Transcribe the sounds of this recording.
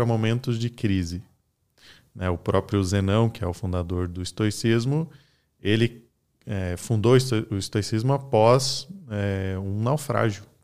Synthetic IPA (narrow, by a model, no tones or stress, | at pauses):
ɾɐmomẽnt̪ʊzd͡ʒɪkɾizɪ | nɛʊpɾɔpɾjʊzenɐ̃w̃kɪɛʊfũnd̪ad̪oɾd̪ʊist̪ojsizmʊ | elɪ | ɛfũnd̪osʊist̪ojsizmʊapɔzɛũnawfɾa̰ʒjʊ